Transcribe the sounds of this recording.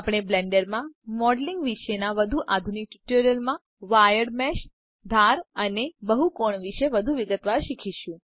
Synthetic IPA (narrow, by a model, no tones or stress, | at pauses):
apɽ̃eblɛɳɖəɾmãmɔɖliŋɡʋiʃenaʋəd̪ʱuʔad̪ʱunik̚ʈiʈoɾijəlmã | ʋajəɽmɛʃ | d̪ʱaɾənebəɦukɔɳʋiʃeʋəd̪ʱuʋɪɡət̪ʋaɾʃikʰiʃũ